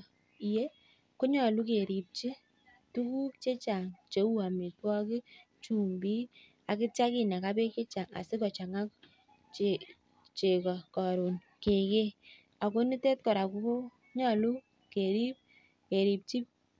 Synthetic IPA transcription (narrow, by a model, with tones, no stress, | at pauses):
i˨je˦ | kʊ˦ɲɔ˨lu˦ke˨ɾi˨p̚t͡ʃi˦ | tu˦ku˦kt͡ʃe˦t͡ʃa˨ŋt͡ʃe˨˦wu˦a˨mi˨twɔ˦kɪ˦ | t͡ʃu˨mbi˦ | a˨kɪ˦t͡ʃa˦ki˨na˨ka˦be˦ke˦t͡ʃa˨ŋa̰˨sɪ˦kɔ˨t͡ʃa˨ŋa˦k | t͡ʃe | t͡ʃe˨kɔ˨kɔ˨ɾu˨n | ke˨ke˦ | a˨ko˦ni˦tɛ˦t̚kɔ˨ɾa˨ku˦ko˦ | ɲɔ˦˨lu˦ | ke˨ɾi˦p̚ | ke˨ɾi˨p̚t͡ʃi˦p̚